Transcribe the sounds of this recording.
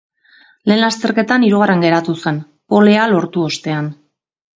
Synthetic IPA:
le̞ːnlast̪e̞ɾke̞t̪aniɾuɣ̞areŋɡe̞ɾat̪use̞n | po̞le̞alo̞ɾt̪uo̞st̪e̞an

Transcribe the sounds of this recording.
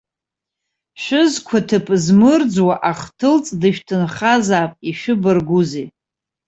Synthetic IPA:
ʃʷᶣʊzkʷʰatʰɨpʰʼzmɨrd͡zwaʔaχtʰɨlt͡sʼdɨʃᶣtʰɨnχazaːpʼiʃɨbɨrɡʷuze

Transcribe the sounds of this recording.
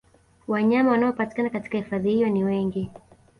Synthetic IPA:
waɲamawanaɔpati̥kanakati̥kahifaðihijɔniwɛŋɡi

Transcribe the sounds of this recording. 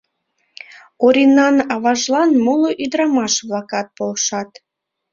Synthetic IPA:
oɾʲinːɑnɑβɑʒlˠɑnmoloʔid̪ɾɑmɑʃβlˠɑkɑt̪̚polʃɑt̪

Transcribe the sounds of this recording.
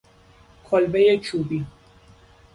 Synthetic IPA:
kʰɔlbejet͡ʃʰubi

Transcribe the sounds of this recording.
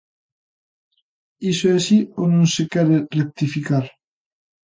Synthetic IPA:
isoɛasionõŋsekɛɾerek̚t̪ifikaɾ

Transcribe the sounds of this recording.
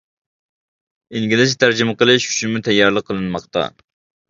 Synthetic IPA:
iŋɡʲilɪst̪ʰæɾd͡ʒimɨqəlˠɨʃu̥ʃimut̪ʰɛjːɑɾlˠəqʰːəlˠɨnmɑqt̪ɑ̰

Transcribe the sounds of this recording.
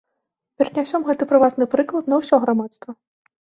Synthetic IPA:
pʲɛɾɐnʲasʲɔmɣɛt̪ɨpɾɨvat̪nɨpɾɨklˠɐt̪nɐwsʲɔɣɾamat̪st̪vɐ

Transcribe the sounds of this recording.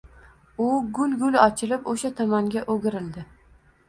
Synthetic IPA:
ʊɡʊlʲɡʲʊlɒt͡ʃʰɪlɪpoʃat̪ʰɒmaŋɡʲaʔoɡʲɪɾɪld̪ɪ

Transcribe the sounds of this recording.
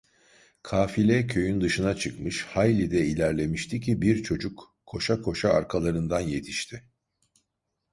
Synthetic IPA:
kʰaːfilʲɛcʰø̞jynd̪ɯʃɯnat͡ʃʰɯkmɯʃhajlʲid̪ɛilʲæɾlʲe̞miʃt̪ʰicʰibiɾt͡ʃʰo̞d͡ʒukʰː | o̞ʃakʰo̞ʃaːɾkʰalˠaɾɯnd̪anje̞t̪ʰi̥ʃt̪ʰɪ

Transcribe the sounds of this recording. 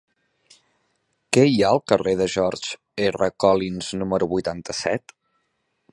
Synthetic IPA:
kɛiaəlˠkəreðəʒɔɾd͡ʒ | erəkɔlinz̥numəɾuβujt̪ant̪əsɛ̰t̪

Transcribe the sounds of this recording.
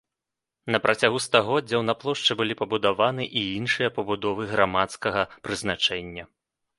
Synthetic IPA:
nɐpɾʔɐt͡sʲaɣust̪aɣɔd͡zʲɐwnɐplˠɔʂt͡ʂɛbɨlʲipɐbud̪avanɨʔiinʂɨjɐpɐbud̪ɔvɨɣɾamat̪skɐɣɐpɾɨznat͡ʂɛnʲːɐ

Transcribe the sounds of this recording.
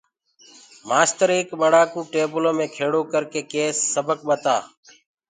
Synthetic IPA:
maːst̪əɾeːkɓəɽaːkũːʈeːbəlõːmẽːkʰeːɽoːkəɾkeːkeːsːəbək̚ɓət̪aː

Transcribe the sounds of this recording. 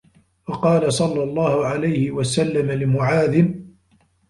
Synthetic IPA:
fɑqɑːlasˤɑlːɑlˤːɑːhʊʕalajhɪwasalːamalɪmʊʕaːd̪ɪn

